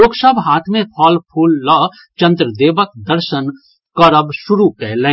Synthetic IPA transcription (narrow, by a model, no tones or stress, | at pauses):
oːksəbɦaːt̪ʰmẽpʰɔːlpʰuːlːɔ | t͡ʃɐ̃nd̪ɾəd̪eːʋək̚d̪əɾʃən | kɔɾəbʃʊɾukɛɦlẽ